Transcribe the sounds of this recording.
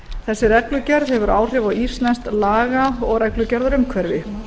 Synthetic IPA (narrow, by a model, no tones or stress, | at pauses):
θɛsːɪɾɛklʏcɛɾðhɛvʏɾaːwr̥jɪvair̥snajst̪laːɣaɔɣɾɛklʏcɛɾðʏɾʏmkʰvɛɾvɪ